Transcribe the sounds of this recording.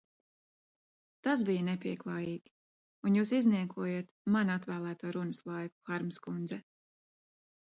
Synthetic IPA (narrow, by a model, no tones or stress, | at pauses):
t̪asbijənɛpʲiɛklˠɑːjiːɡʲi̥ | unjuːsizniɛkʰuɔjet̪manat̪væːlˠæːt̪uːɾunəslˠɑjku̥xaɾmskund̪zɛ